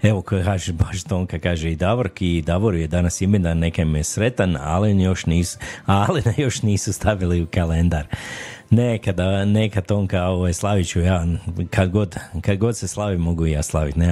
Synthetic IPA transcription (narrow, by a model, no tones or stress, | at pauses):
e̞ʋokokaːʒebaʃt̪o̞ŋkakaːʒeid̪aʋoɾkid̪aʋoɾujed̪anasimed̪anekamijesɾe̞t̪ana̰linjo̞ʃniːsalenajo̞ʃniːsust̪aʋiliukalend̪aɾnekad̪anekat̪oŋkaoʋajslˠaʋit͡ʃujaːkʰad̪ɡo̞d̪kad̪ɡo̞d̪seslˠaʋimoɡuijaːslˠaʋit̪ne